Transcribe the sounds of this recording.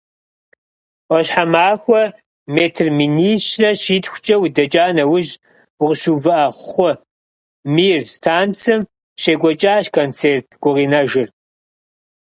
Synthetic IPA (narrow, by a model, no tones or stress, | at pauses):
wɔɕħamaːxʷɔ | meːtʰɨrminiːʃrɐʃiːtxʷt͡ʃʼɐwʊdɐt͡ʃʼaːnɐwʊʑ | wʊʁəʃuvɨʔɐχʷχʷɔ | miːrstʰaːnt͡sʰɨm | ɕeɡʷɔt͡ʃʼaːɕkʰont͡sʰeːrtʰɡ̥ʷʊʁiːnɐʒɪr